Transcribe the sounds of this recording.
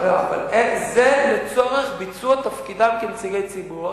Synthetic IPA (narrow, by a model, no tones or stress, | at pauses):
a̰va̰lezelet͡so̞ʁeχbit͡suat̪afkid̪amkemt͡siʁejt͡sibu